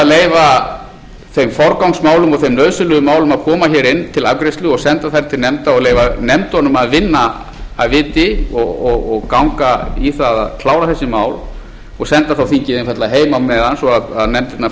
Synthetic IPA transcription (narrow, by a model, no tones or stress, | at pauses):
ðleːjva | θejmfɔɾkawŋsmaːwlʏmɔɣθejmnœːɥsʏlʏðʏmaːwlʏmaðkʰɔːmaçɛːɾɪnːt̪ʰɪla̰vkɾejst̪lʏɔɣsɛnt̪aθajɾɪt̪ʰɪlnɛmt̪aɔɣleːjvanɛmt̪ɔnːʏmaðvɪnːaː | ðvɪːt̪ɪɔɣɔɣɔɣkawŋkaiθaða̰ðkʰlaːwɾaθɛsːɪmaːwl | ɔɣsɛnt̪aθawθincɪːðɪnfat̪laðɦeːjmawmɛðansɔaðaðnɛmt̪ɪt̪na